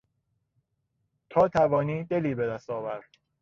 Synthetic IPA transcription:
t̪ʰɒːt̪ʰævɒːniːd̪eliːbe̞d̪æst̪ɒːvæɾd̪̥

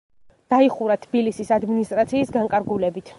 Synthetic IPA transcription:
d̪̥aiχuɾat̪ʰb̥ilisisad̪minist̪ʼɾat̪sʰiːsɡaŋkʼaɾɡulɛbit̪ʰ

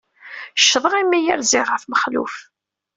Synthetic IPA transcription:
ʃːðˤəʁimːijæɾzɪʁəfməχlṵf

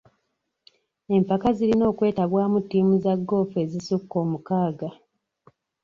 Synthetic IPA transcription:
e̞mpakazilino̞ːkwe̞ːtaɡwaːmutːiːmuzaɡːo̞ːfue̞ːzisukːo̞ːmukaːɡa

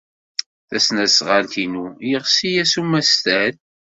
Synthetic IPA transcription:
θæsnæsʁaltinujəʁsijæsumːæst̪æð

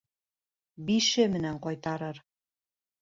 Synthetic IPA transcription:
biʃĕmɘ̆næŋqɑjt̪ɑɾɤ̆r

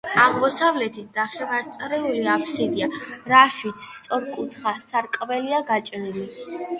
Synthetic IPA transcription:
aʁmɔsavlɛt̪ʰit̪ʰnaχɛvaɾt̪sʼɾɛuliapʰsid̪iaɾaʃit̪sʰst̪sʼɔɾkʼut̪ʰχasaɾkʼvɛliaɡat͡ʃʼɾili

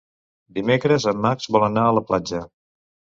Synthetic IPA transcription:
d̪imekɾəzəmːakzβɔlˠənaələplad͡ʒə

